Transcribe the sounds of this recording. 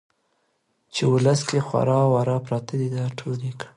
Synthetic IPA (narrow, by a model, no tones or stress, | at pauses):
t͡ʃewʊləskexwa̰ɾɑwaɾɑpɾɑt̪ad̪id̪aʈʰod̪ik